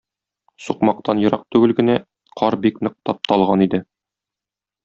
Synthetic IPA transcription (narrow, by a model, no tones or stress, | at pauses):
suqmɑq̚t̪ɑnjɤ̆ɾɑq̚t̪ʉɡɘlɡɘ̆næ | qʰɒɾbiknɤ̆q̚t̪ɑp̚t̪ʰɒlˠʁɑnid̪ɘ